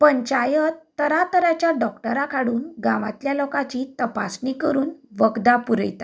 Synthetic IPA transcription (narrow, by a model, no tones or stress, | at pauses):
pəɲt͡ɕajət̪ːəɾat̪əɾat͡ɕjaɖɔkʈəɾakʰaɽuːnɡãʋa̰t̪ljalɔkat͡ɕiːt̪əpa̰snikəɾuːnʋəɡd̪apuɾə̰jt̪a